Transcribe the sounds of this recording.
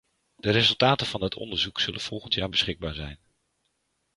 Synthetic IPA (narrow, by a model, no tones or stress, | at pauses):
d̥əɾezɵlˠtaːtəv̥ɑndɪtʰɔ̰ndəɹzuksɵlənv̥ɔlˠχəntjaːɹbəsχɪɡ̚baːɹzɛ̰jn